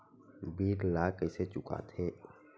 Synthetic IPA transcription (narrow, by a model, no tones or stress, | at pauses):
biːɾlaːkəɪset͡ʃʊka̰t̪ʰeː